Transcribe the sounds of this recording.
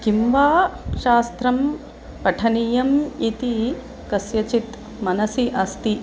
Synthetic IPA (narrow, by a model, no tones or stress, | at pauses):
kimʋaːʃaːst̪ɾɐm | pɐʈʰɐnijɐmit̪i | kɐsjɐt͡ʃit̪ | mɐnɐsiʔɐst̪i